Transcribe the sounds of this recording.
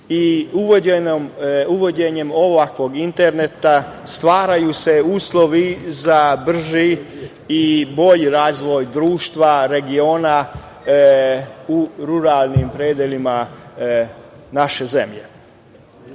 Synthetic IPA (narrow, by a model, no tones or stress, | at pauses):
iuʋomuʋo̞d͡ʑeɲe̞mo̞ʋakʋo̞ɡint̪eɾnet̪ast̪ʋaːɾajuse̞uːslˠo̞ʋizabr̩ʒiː | bo̞ʎɾaːzʋo̞jd̪ɾuːʃt̪ʋaɾe̞ɡio̞ːna | uɾuɾalˠnimpɾed̪jelima | naʃe̞ze̞mʎḛ